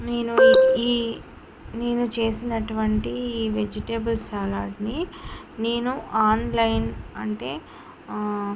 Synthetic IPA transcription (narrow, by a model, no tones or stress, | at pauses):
neːnuiː | neːnut͡ʃe̞ːsinɐʈuʋɐɳʈiiːʋed͡ʒiʈebɐlsaːlaːɖni | neːnuʔaːnlɐjnɐɳʈe̞ː